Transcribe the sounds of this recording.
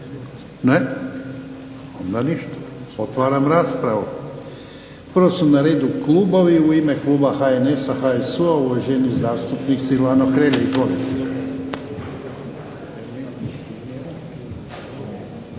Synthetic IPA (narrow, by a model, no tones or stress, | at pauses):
ne | ond̪aniʃt̪ḁo̞t̪ʋaːɾamɾaːspɾaʋu | pərɾʋosunaɾe̞ːd̪ukluːbo̞ʋiuime̞klˠuːbaxaene̞saxaesuauʋoʒenizaːst̪upniksilaːnoxɾeːleit̪onit̪i